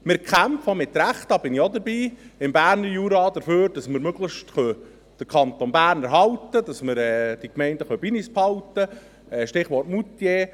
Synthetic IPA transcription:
mɪɾkʰχæmfomɪt̪ːɾæχt̪ɑːb̥ɪniod̪əɾbiːɪmbæːɾnəɾjuːɾɑd̥̪əɾføːɾd̥ɑsməɾmøɡləʃtχœ | d̥əɾkʰɑnt̪onbæːrnæɾɦɑwt̪əd̥ɑsmɪɾɛːd̥ikmɛɪndəχœbinisphɑwtə | ɛʃtɪχʋɔrtmut̪jeː

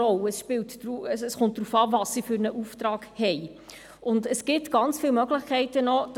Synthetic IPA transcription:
ɔlɛsʃpɪːltɾuɛsɛsχʊnt̚d̥ɾuːfɑːvɑssifyːɾnəʔuːftɾɑːɡhɛj | ʊndəsɡ̥ɪtɡ̥ɑnt͡sfiːlmœɡlɪχkʰɛɪtənɔd

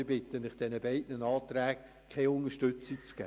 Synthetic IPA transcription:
bɪtənɪχd̥ɛnəbɛɪdnənɑːtɾæːɡ | kʰɛɪʊnəʃtøt͡sikt͡sɡ̥ɛː

